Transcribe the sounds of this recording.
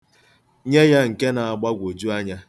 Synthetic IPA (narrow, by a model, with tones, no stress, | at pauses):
ɲe˦ja˦ŋ̩˨ke˦na˨a˨ɡ͡ba˦ɡʷo˨d͡ʒu˦a˦ɲa˦